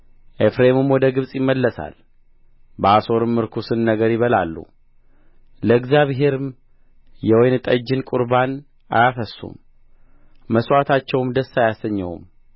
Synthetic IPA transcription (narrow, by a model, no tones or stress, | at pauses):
ʔefɾemɨmwɔd̪əɡɨβsʼjɪmːəlːəsa̰l | bəaso̞ɾɨmːɨɾkʰusɨnːəɡəɾjɪβəla̰lːṵ | ləɨɡzjaβɦe̞ɾɨm | jɛwɔjnɨt̪ʼəd͡ʒːɪnkʼuɾban | ʔa̰jafəsːṵmː | əsʼwʷat̪ʰat͡ʃːɛwmd̪əsːajasəɲːɛ̰wṵm